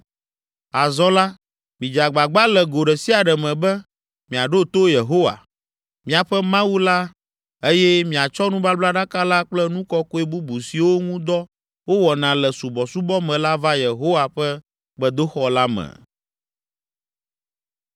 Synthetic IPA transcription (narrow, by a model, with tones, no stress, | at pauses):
a˨zɔ̃˦la˦ | mĩ˨d͡ʒa˨ɡ͡ba˨ɡ͡ba˦lɛ˨ɡo˨ɖɛ˨si˦a˨ɖɛ˨mɛ̃˨bɛ˦ | mĩ˨a˨ɖo˦t̪o˦je˨ɦo˦wa̰˨ | mĩ˨a˨ɸɛ˦mã˦wu˦la˦ | e˦jɛ˦mĩ˨a˨t͡ʃɔ˦nũ˦ba˦bla˦ɖa˦ka˦la˦k͡plɛ˦nũ˦kɔ˦ko˦e˦bu˦bu˨si˨wo˦ŋũ˦d̪ɔ˦ | wo˦wɔ˨nã˨lɛ˨su˨bɔ˨su˦bɔ˦mɛ̃˨la˦va˦je˨ɦo˦wa˨ɸɛ˦ | ɡ͡bɛ˦d̪o˦xɔ˨la˦mɛ̰̃˨